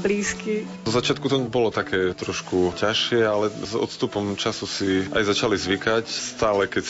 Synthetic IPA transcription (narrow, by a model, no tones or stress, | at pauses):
bliːski | zɔzat͡ʃɪat̪kut̪ɔbɔlɔt̪akʰɛːt̪ɾɔʃkucaʃɪɛalɛzɔ̰t̪st̪upɔmt͡ʃasusia̰jzat͡ʃalizʋikacst̪aːlɛkɛc